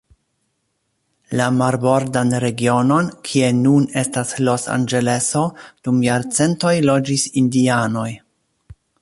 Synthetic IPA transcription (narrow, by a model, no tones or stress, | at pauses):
lamaɾbo̞ɾdanɾe̞ɡio̞no̞nkʰie̞nune̞staslo̞sa̰nd͡ʒe̞le̞so̞d̥umjaɾt͡se̞nto̞jlo̞d͡ʒisindiano̞j